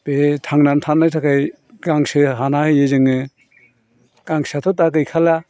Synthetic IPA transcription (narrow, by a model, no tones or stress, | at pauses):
b̥etʰaŋnantʰanːajtʰakʰaj | ɡaŋsɯɦanahɯjezɯŋɯ | ɡ̥aŋsat̪ʰɔt̬akɯjkʰala